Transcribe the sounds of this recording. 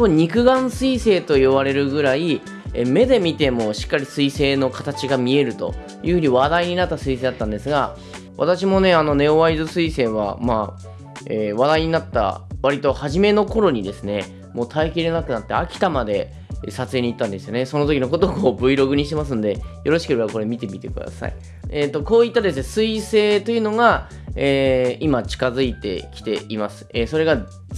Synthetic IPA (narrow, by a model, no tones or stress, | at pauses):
koɲ̟ikɯ̟ɡãɰ̃sɨise̞ːt̪o̞iβaɾe̞ɾɯ̟ɡɯ̟ɾai | eme̞d̪e̞mʲit̪e̞mo̞ːɕi̥kːaɾʲisɨise̞ːno̞kat̪at͡ɕiɡamʲie̞ɾɯ̟t̪o̞̰ | jɯ̟ɸɯ̟ɲ̟iβad̪aiɲ̟inat̪ːasɨise̞ːd̪at̪ːãnd̪e̞sɨɡa | βa̰t̪aɕ̬imo̞ne̞ano̞ne̞oβaizɨsɨise̞ːβa̰maː | eːβad̪aiɲ̟inat̪ːa̰βaɾʲit̪o̞haʑime̞no̞ko̞ɾo̞ɲ̟id̪e̞sɨne̞ | mo̞ːt̪ʰaekʲiɾe̞nakɯ̟nat̪ːeakʲi̥t̪amad̪e̞ | sat͡sɨe̞ɲ̟iːt̪ːãnd̪e̞sɨjo̞ne̞so̞no̞t̪o̞kʲino̞ko̞t̪okoːbɯ̟iɾo̞ɡɯ̟ɲ̟iɕit̪e̞mas̬ɨ̃nd̪e̞jo̞ɾo̞ɕi̥kɯ̟ɾako̞ɾe̞mʲit̪e̞mʲit̪e̞kɯ̟̰d̪a̰sa̰ḭ | et̪ːo̞ko̞ːit̪ːad̪e̞sɨne̞sɨise̞ːt̪o̞jɯ̟no̞ɡa | eːimat͡ɕi̥kazɨit̪e̞̰kʲi̥t̪e̞imasɨ̥eːso̞ɾe̞ɡa